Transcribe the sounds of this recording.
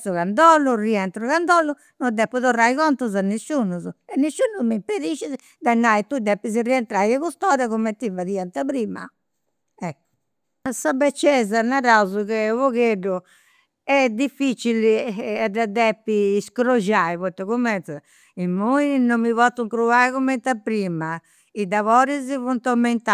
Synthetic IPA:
suɣand̪ɔlːuriɛnt̪ɾuɣand̪ɔlːu | nɔd̪ɛpːuðɔrːaiɣɔnt̪uzanːisːunuzuɛnːisːuːnumimpeɾiʃizi | d̪anːait̪ud̪ɛpːiziriɛnt̪ɾajɛkust̪ɔːɾakumɛt̪ːivaðiːant̪aβɾiːma̰ | ɛ | sabɛt͡ʃːɛzanaɾawzukɛvɔɣeɖu | ɛd̪ifːit͡ʃiliɛd̪ad̪ɛpːiːskɾoʒaiβɔt̪ːɔkumɛnt̪a | imːuinomːivɔt̪ːuŋkɾuaikumːɛnt̪apːɾiːma | id̪aβɔːɾizivunt̪ɔmːɛnt̪a

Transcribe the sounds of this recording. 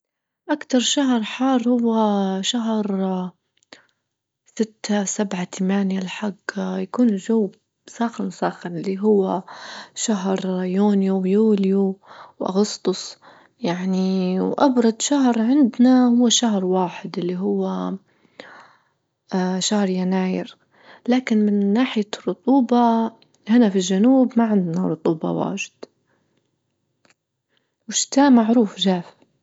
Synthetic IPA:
ʔakt̪ɑɾˤʃaɦɾˤħɑːɾˤhʊwːaʃaɦɾ | sɪt̪ːasabʕat̪ʰamaːnjalħaɡjakuːnʒawː | sˤɑːxansˤɑːxanʔɪlːiɦʊwːaʃaɦɾjuːnjuwjuːljuwʔa̰ɣʊst̪ʊsˤ | jaʕniwʔɑbɾˤɑd̪ˤʃaɦɾʕɪnd̪nahʊwːaʃaɦɾwaːħɪd̪ʔɪlːiɦʊwːa | ʃahɾjanaːjɪ̰ɾ | laːkɪnmɪnːaːħɪjarˤːʊt̪ˤuːbɑ | hɪnafilʒanuːbmaʕɪnd̪naɾˤʊt̪ˤuːbɑ̰wa̰ːʒɪd̪̥ | wɪʃt̪aːʔmaʕɾuːfʒaːf

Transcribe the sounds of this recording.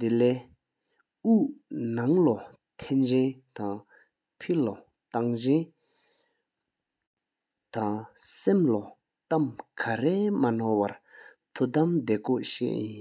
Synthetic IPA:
d̪elɛː | unaŋlɔ | t̪ʰɛnt͡ɕɛnt̪aŋ | pʰilɔ | t̪aŋd͡ʑen | t̪aŋsemlɔ | t̪amkʰaɹeːmanɔwaɹ | t̪ʰut̪amd̪eːkɔʔɕɛ̰ːʔjin

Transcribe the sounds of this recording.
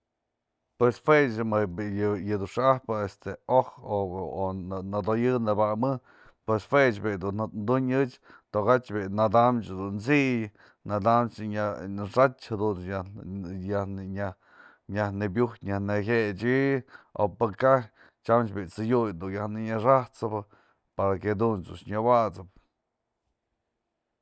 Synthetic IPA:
pwesfwet͡ʃmɨbjjɨd̪uʂɨahpɨest̪eohoonad̪ojɨnɨbamɨ | pwesfwet͡ʃbid̪unnd̪uɲɨt͡ʃt̪oɣat͡ʃbinad̪amt͡ʃd̪unt͡siʔj | nad̪amt͡ʃɲaʂat͡ʃhad̪un | jahnɲa | ɲahnebjuht̪ɲahneɦʲet͡ʃio̰pɨkah | t͡ʃamt͡ʃbit͡sɨjujd̪unjahnɨɲaʂaht͡sɨbɨ | paɾaked̪unt͡sṵʃɲawat͡sɨp̚

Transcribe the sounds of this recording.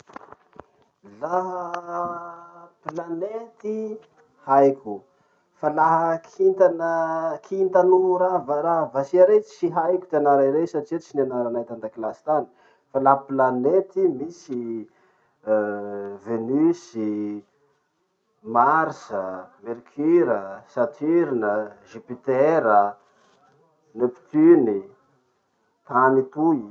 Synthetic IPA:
laɦə | planet̪i | hajkʲu | falaɦəkʰint̪anəkʰint̪anuɾavaɾavasiaɾesiɦajkʲu̥t̪ianaɾaɾesaʈ͡ʂit͡ʃinanaɾanat̪and̪aklast̪anə̥ | falaɦəplanet̪imisi | venysi | maɾsəmeɾikʰyɾəsat̪ʰiɾinəʒipit̪eɾə | nepi̥t̪yni | t̪anit̪u

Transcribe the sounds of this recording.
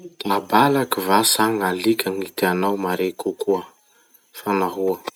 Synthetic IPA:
t̪abalakivasaŋalikʲaŋit̪eanawmaɾekukuə | fanaɦuə

